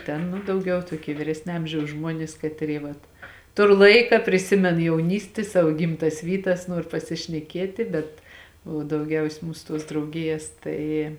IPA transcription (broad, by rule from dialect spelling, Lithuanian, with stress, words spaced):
ˈtʲɛn ˈnʊ dɐʊˈɡʲɛʊ tuɔˈkʲiɛ ʋʲɪˈrʲæːsʲnʲeː ˈɐmʲʒʲɛʊs ˈʒmuɔnʲɪs ˈkɑːtʲˌrʲiː ʋɐt ˈtʊr ˈlˠɐɪkɐ pʲrʲɪˈsʲɪmʲɛn jɛʊˈnʲiːsʲtʲɪ ˈsɑːʋoː ˈɡʲɪmˌtɐs ˈʋʲiːˌtɐs ˈnuɔr pɐsʲɪʃʲnʲɛˈkʲiɛtʲeː bʲɛt oː dɐʊˈɡʲɛʊsʲeː ˈmuːsʊ ˈtuɔs drɐʊˈɡʲɪjɛs ˈtɐɪ